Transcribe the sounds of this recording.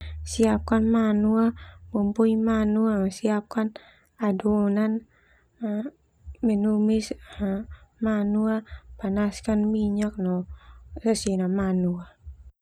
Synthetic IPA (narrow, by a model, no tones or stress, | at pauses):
siap̚kanmanuabumpuimanuaŋasiap̚kan | adonan | mɛnumis | manuapanaskanmiɲak̚nɔsasinamanua